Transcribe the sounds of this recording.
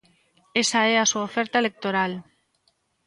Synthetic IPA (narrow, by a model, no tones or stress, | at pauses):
esaeasuaofɛɾt̪aelek̚t̪oɾal